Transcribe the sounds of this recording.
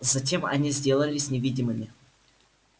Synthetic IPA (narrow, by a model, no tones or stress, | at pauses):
zɐtʲe̞mɐ̰nʲizʲdʲe̞lˠəlʲɪsʲnʲɪvʲidʲɪmɨmʲɪ